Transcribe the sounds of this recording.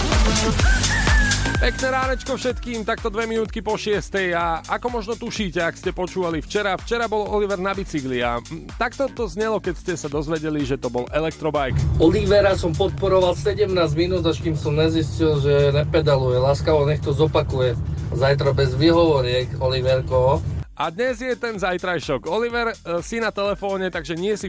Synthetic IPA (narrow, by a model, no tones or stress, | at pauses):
pɛknɛːɾaːnɛt͡ʃkɔfʃɛt̪kiːmt̪akt̪ɔd̪ʋɛminuːt̪kipɔʃɪɛst̪ɛjaʔakɔmɔʒnɔt̪uʃiːcɛakscɛpɔt͡ʃuːʋalift͡ʃɛɾaft͡ʃɛɾabɔlɔliʋɛɾnabit͡siɡlia̰t̪akt̪ɔt̪ɔzɲɛlɔkɛcscɛsad̪ɔzʋɛɟɛliʒɛt̪ɔbɔlɛlɛk̚t̪ɾɔbajkɔliʋɛɾasɔmpɔt̪̚pɔɾɔʋalsɛɟɛmnaːzmiːnuːd̪aʃkiːmsɔmɲɛziscilʒɛɲɛpɛd̪alujɛlaːskaɔɲɛxt̪ɔzɔpakujɛzajt̪ɾɔbɛzʋiɦɔʋɔɾɪɛkɔliʋɛɾkɔɦɔad̪ɲɛzjɛt̪ɛnzajt̪ɾajʃɔɡɔliʋɛɾsinat̪ɛlɛfɔːɲɛt̪aɡʒɛɲɪɛsi